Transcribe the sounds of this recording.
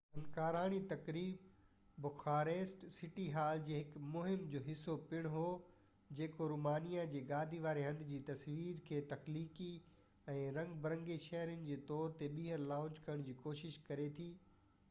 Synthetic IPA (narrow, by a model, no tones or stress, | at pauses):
ɐnkaːɾaːɽ̃it̪ɐkɾiːb | bʊxaːɾeːsʈsɪʈiɦaːld͡ʑeːɦɪkmʊɦɪmd͡ʑoːɦɪsːopɪɽ̃ɦoː | d͡ʑeːkoɾuːmaːnijad͡ʑeːɡaːd̪ʱiʋaːɾeɦɐ̃nd̪ʱɪd͡ʑiːt̪ɐsʋiːɾkʰeːt̪ɐxliːki | ɛ̃ːɾɐ̃ŋɡbɐɾə̃ŋɡeʃɐɦɾənɪ̆d͡ʑeːt̪ɔːɾt̪eɓiːɦəɾlãːʊt͡ɕkɐɾəɽ̃d͡ʑiːkoːʃɪʃkɐɾet̪ʰiː